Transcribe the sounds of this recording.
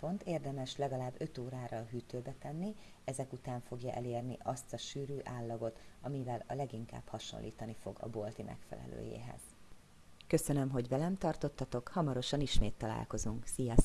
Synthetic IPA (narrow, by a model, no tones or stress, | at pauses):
po̞nt̪eːrd̪ɛmɛʃlɛɡɒlaːbːø̞t̪oːɾaːɾɒɦyt̪øːbɛt̪ɛnːi | ɛzɛkut̪aːɱfo̞ɡjɒʔɛleːrnḭʔɒst̪ɒʃyːɾyːʔaːlːɒɡo̞t̪ɒmivɛlɒlɛɡiŋka̰ːbhɒʃo̰nlːʔiːt̪ɒnifo̞ɡɒ̰bolt̪imʔɛ̰kfɛ̰lɛ̰lø̰ːjḛːɦɛ̰z̥ | kø̞sønø̞mɦo̞ɟʋɛlɛmt̪ɒrt̪o̞t̪ːɒt̪o̞khɒmɒɾo̞ʃɒniʃmeːt̪ːɒla̰ːlko̞zuŋksijɒs